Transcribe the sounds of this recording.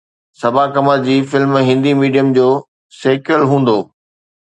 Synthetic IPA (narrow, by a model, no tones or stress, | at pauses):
sɐbʱakɐmaɾd͡ʑiːfɪlmɦɪ̃nd̪imiːɖijəmd͡ʑoː | seːkəlɦũːn̆d̪oː